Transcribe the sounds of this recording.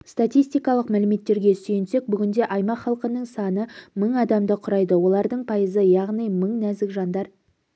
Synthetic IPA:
st̪at̪ʲijst̪ijkɑlˠəqmælɪme̞t̪ːe̞ɾɡʲe̞syjɪnse̞k̚bʏɡʲɪnd̪e̞ʔɑjmɑqχːɑlˠqənəɴsɑnəməɴɑd̪ɑmd̪əqʰʊɾɑjd̪əwo̞lˠɑɾd̪əɴpʰɑjəzəjɑʁnijməɴnæzɪkʒɑnd̪ɑɾ

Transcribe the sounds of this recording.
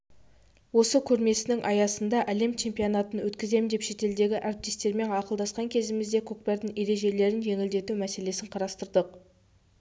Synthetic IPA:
wo̞səkʲʰɵɾme̞sɪnɪŋʔɑjɑsənd̪ɑʔæle̞mt͡ʃʰe̞mpijonɑt̪ənwɵt̪kʲɪze̞md̪e̞pʃe̞t̪e̞ld̪e̞ɡʲɪʔɑɾp̚t̪ist̪e̞ɾme̞nɑqəlˠd̪ɑsqɑŋkʲʰe̞zɪmɪzd̪e̞kʲʰɵk̚pæɾd̪ɪneɾe̞ʒe̞le̞ɾɪnʒe̞ŋɪld̪e̞t̪umæse̞le̞sɪɴqʰɑɾɑst̪əɾd̪əq̚

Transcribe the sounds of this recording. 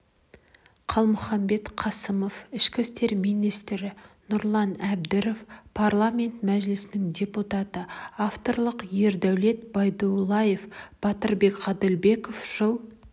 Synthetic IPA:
qʰɑlˠmʊχɑmbe̞t̪qʰɑsəmo̞fɪʃkʲɪst̪e̞ɾmijnijst̪ɾɪnʊɾlˠɑnæb̚d̪ɪɾofpʰarlˠamʲe̞nt̪mæʒlɪsɪnɪŋd̪ʲe̞put̪at̪əaft̪o̞ɾlˠəqje̞ɾd̪æwle̞t̪̚b̥ɑjd̪ulˠɑje̞fb̥ɑt̪əɾbe̞kqɑd̪ɪlbe̞kofʒ̥əlˠ

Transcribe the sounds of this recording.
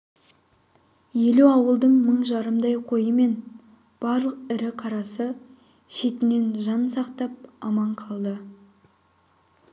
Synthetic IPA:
je̞luwɑwəlˠd̪əɴməɴʒɑɾəmd̪ɑjqʰo̞jəme̞n | b̥ɑɾlˠəq̚ɪɾɪqʰɑɾɑsə | ʃe̞t̪ɪne̞nʒɑnsɑqt̪ɑp̚ɑmɑɴqʰɑlˠd̪ə

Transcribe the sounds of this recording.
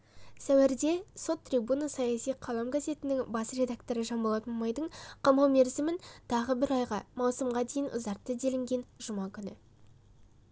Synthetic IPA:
sæwæɾd̪e̞so̞t̪ʰːrʲibunɑsɑjɑsijqʰɑlˠɑmkʲʰæze̞t̪ɪnɪŋbɑsɾe̞d̪akt̪o̞ɾəʒɑmbolˠɑt̪ənmɑjd̪əɴqʰɑmɑw̪ˠme̞ɾzɪmɪnt̪ʰɑʁəbɪɾɑjʁɑmɑwsəmʁɑd̪e̞jɪnʔʊ̰zɑɾt̪ːəd̪e̞lɪŋɡʲe̞nʒʊmɑkʲʰʏnɪ̰

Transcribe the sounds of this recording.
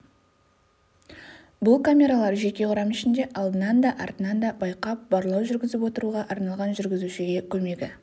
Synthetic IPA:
bʊlˠkʰamʲe̞ɾalˠɑɾʒe̞kʲe̞ʊɾɑmɪʃɪnd̪e̞ʔɑlˠd̪ənɑnd̪ɑʔɑɾt̪ənɑnd̪ɑbɑjqɑp̚bɑɾlˠɑwʒʏɾɡʲɪzɪpwo̞t̪əɾuʁɑʔɑɾnɑlˠʁɑnʒʏɾɡʲɪzuʃɪɡʲe̞kʲʰɵme̞ɡʲɪ

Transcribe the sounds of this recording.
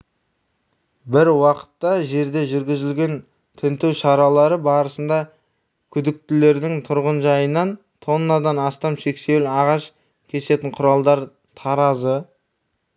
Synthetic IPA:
bɪɾwɑqə̥t̪ːɑʒe̞ɾd̪e̞ʒʏɾɡʲɪzɪlɡʲe̞n | t̪ʰɪnt̪ewʃɑɾɑlˠɑɾəbɑɾəsənd̪ɑ | kʲʰʏd̪ɪk̚t̪ɪle̞ɾd̪ɪŋt̪ʰʊɾʁənʒɑjənɑn | t̪ʰo̞nːɑd̪ɑnɑst̪ɑmʃe̞kse̞lɑʁɑʃ | kʲʰe̞se̞t̪ɪɴqʰʊɾɑlˠd̪ɑɾ | t̪ʰɑɾɑzə

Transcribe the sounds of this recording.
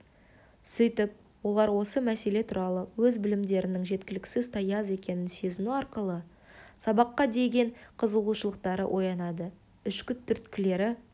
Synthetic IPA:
sʏjt̪ɪp̚ | wo̞lˠɑɾwo̞səmæse̞le̞t̪ʰuɾɑlˠəwɵzbɪlɪmd̪e̞ɾɪnɪŋʒe̞t̪kʲɪlɪkʲsɪzt̪ʰɑjɑze̞kʲe̞nɪnse̞zɪnuɑɾqəlˠə | sɑbɑqːɑd̪e̞ɡʲe̞ɴqʰəzəuʃəlˠəq̚t̪ɑɾə̰ʔo̞jɑnɑd̪ə | ʏʃkʲʏt̪ʰːʏɾt̪kʲɪle̞ɾɪ

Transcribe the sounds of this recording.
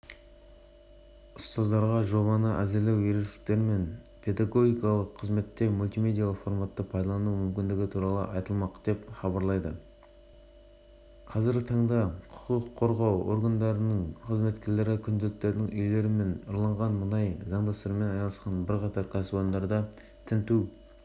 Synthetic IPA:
ʊst̪ɑzd̪ɑɾʁɑʒo̞βɑnəʔæzɪɾlewjeɾet̪ɪ̥k̚t̪e̞ɾɪme̞n | pʰe̞d̪ɑɡo̞ɡʲijkɑlˠəqʰːəzme̞t̪ːe̞mulʲt̪ijme̞d̪ʲijalˠəqfo̞ɾmɑt̪ːəpʰɑjd̪ɑlˠɑnumʏmkʲɪnd̪ɪɡʲɪt̪ʰuɾɑlˠə̰ʔɑjt̪əlˠmɑqd̪e̞pχɑbɑɾlˠɑjd̪ə | qʰɑzɪɾɡʲɪt̪ʰɑɴd̪ɑqʰʊ̥qəqʰːo̞ɾʁɑwo̰ɾɡand̪ɑɾənəɴqʰəzme̞t̪kʲe̞ɾle̞ɾɪkʲʰʏnd̪ɪlɪk̚t̪e̞ɾd̪ɪŋʏjle̞ɾɪme̞nʊ̰ɾlˠəɴʁɑnmənɑjzɑɴd̪ɑst̪əɾme̞nɑjnɑlˠəsqɑnbɪɾqɑt̪ɑɾkʲʰɑsuwɑnd̪ɑɾd̪ɑ | t̪ʰɪnt̪u

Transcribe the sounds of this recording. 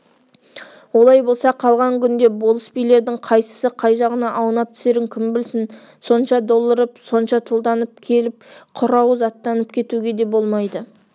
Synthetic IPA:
wo̞lˠɑjbo̞lˠsɑqʰɑlˠʁɑŋkʲʰʏnd̪e̞bo̞lˠəspijle̞ɾd̪ɪɴqʰɑjsə̥səqʰɑjʒɑʁənɑʔɑwnɑp̚t̪ʰʏ̥se̞ɾɪŋkʲʰɪmbɪlsɪn | so̞nʃɑd̪o̞lˠːəɾəpso̞nʃɑt̪ʰʊlˠd̪ɑnəp̚kʲʰe̞lɪp̚qʰʊɾɑwzɑt̪ːɑnəp̚kʲʰe̞t̪uɡʲe̞d̪e̞bo̞lˠmɑjd̪ə

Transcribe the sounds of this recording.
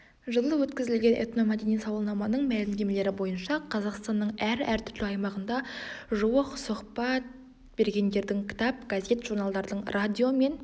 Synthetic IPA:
ʒəlˠəwɵt̪kʲɪzɪlɡʲe̞nʔḛt̪no̞mɑd̪enijsɑwlˠnɑmɑnəɴmælɪmd̪e̞me̞le̞ɾɪbo̞jənʃɑqʰɑzɑqst̪ɑnːəɴæɾæɾt̪ʰʏɾlɪɑjmɑʁənd̪ɑʒuwəqsʊqpɑt̪̚ | b̥e̞ɾɡʲe̞nd̪e̞ɾd̪ɪŋkʲʰɪ̥t̪ɑp̚ɡ̥aze̞t̪ʒ̥uɾnalˠd̪ɑɾd̪əɴrʔadʲijo̞me̞n

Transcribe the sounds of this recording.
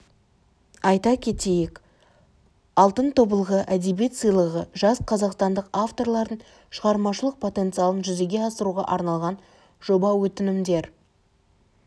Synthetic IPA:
ɑjt̪ɑkʲʰe̞t̪e̞jɪk | ɑlˠt̪ənt̪ʰo̞bəlˠʁəʔæd̪e̞bjet̪səjlˠəʁəʒɑsqʰɑzɑqst̪ɑnd̪əqaft̪o̞rlˠɑɾd̪əɴ | ʃəʁɑɾmɑʃəlˠəq̚pʰo̞t̪e̞nt̪sɨɑlˠənʒʏze̞ɡʲe̞ɑsəɾuʁɑ̰ʔɑɾnɑlˠʁɑn | ʒ̥o̞bɑwɵt̪ɪnɪmd̪e̞ɾ

